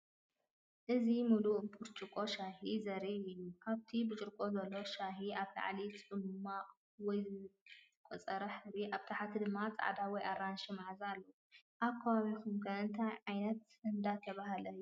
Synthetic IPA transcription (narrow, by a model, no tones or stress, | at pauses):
ʔɨzimuluʔpʰuɾt͡ʃʼɨkʼo̞ʃaɦizɐɾiɨjːukʰaβt̪ʰibɨt͡ʃʼɨɾkʼo̞zɐlːo̞ʃaɦiʔaβla̰ʕlit͡sʼʔɨluma | wɔjz | kʼɔt͡sʼɐɾɐħɨɾiʔaβt̪ʰaħat̪ʰid̪ɨmːat͡sʼa̰ʕd̪awɔjʔaɾanʃimaʕzalːɐ | ʔaβkʰːɐβaβikumkʰɐɨnt̪ʰajʕajnɐt̪ | ɨnd̪at̪ʰɐβaɦalɐjːu